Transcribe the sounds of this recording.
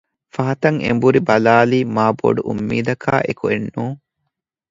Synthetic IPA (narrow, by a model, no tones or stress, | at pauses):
fɐɦɐt̪ɐŋḛmbuɾibɐlaːliːmaːbo̰ɖuʔumːḭːd̪ɐkʰa̰ːʔekuenːuː